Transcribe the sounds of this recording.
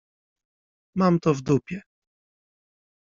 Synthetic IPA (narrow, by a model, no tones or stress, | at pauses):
mamt̪ɔvd̪upʲjɛ